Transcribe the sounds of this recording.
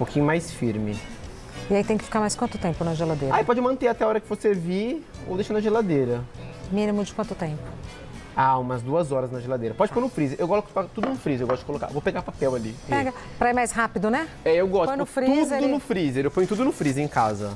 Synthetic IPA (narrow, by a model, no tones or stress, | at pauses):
pokʰĩɲʊmajsfiɾmɪ | ɪait̪ẽj̃kɪ̥fi̥kaɾmajskwɐ̃nt̪ʊ̥t̪ẽmpʊnɐʒelad̪ejɾaipɔd͡ʒɪmɐ̃nt̪eat̪ɛaɔɾɐkɪvosevi | o̰wd̪eʃɐnɐʒelad̪eɾɐmĩnimʊd͡ʒɪkwɐ̃nt̪ʊt̪ẽmpʊ̥ | aumɐzd̪uɐzɔɾɐznɐʒelad̪ejɾɐpɔd͡ʒɪfpoɾnʊfɾizeɾʔewɡɔskkat̪ud̪ʊnʊfɾizeewɡɔst̪ʊd͡ʒɪ̥koloka̰vopeɡapapɛwalipɛɡɐ | pɾɐimajsɦapɪd̪ʊnɛ | ɛewɡɔsojnʊfɾiudzeʊnʊfɾizeɾewpojẽt̪ud̪ʊnʊfɾizeẽkazɐ